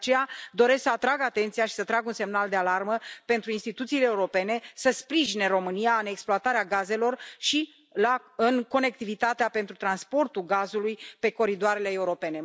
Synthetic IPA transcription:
t͡ʃejad̪o̞ɾe̞sksəat̪ɾaɡat̪ent̪sijaʃi̥sət̪ɾaɡunse̞mnald̪e̞alarməpe̞nt̪ɾuinst̪it̪ut̪siːleːuɾo̞pe̞ne̞səspɾiʒine̞ɾo̞mɨnijaɨne̞ksploat̪aɾeaɡaze̞lo̞rʃi | laɨnko̞ne̞k̚t̪ivit̪at̪eape̞nt̪ɾut̪ɾanspo̞rt̪ulɡazulujpe̞ko̞ɾid̪oaɾe̞le̞ːuɾo̞pe̞ne̞

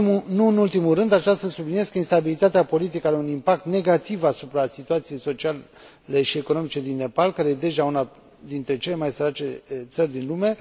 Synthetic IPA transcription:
munuɨnult̪imurɨnd̪at͡ʃasəsublinieskəinst̪abilit̪at̪eapo̞lit̪̬ikəaɾeunimpak̚t̪ne̞ɡat̪ivasupɾasit̪uat̪sije̞jso̞t͡ʃia | le̞ʃie̞ko̞no̞mit͡ʃe̞d̪inːe̞palkaɾe̞jed̪e̞ʒauna | d̪int̪ɾe̞t͡ʃe̞le̞majsəɾat͡ʃe̞t̪sərʲd̪inlume̞

